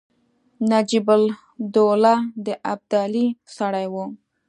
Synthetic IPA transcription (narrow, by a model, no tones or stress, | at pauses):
nad͡ʒibʊl | d̪olad̪əʔab̚d̪ɑlisaɽajwu